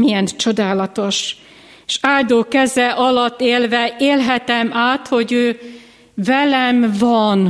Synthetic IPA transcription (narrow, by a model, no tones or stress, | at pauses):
mijɛnt͡ʃo̞d̪aːlɒt̪o̞ʃ | eʃaːld̪oːkɛzɛʔɒlɒt̪ːeːlvɛeːlɦɛt̪ɛmaːt̪ho̞ɟøː | vɛlɛmvɒn